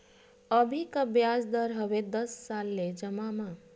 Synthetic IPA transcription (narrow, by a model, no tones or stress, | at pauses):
əbʱikəbjad͡ʒd̪əɾɦʌʋed̪ʌsːalːed͡ʒəmamã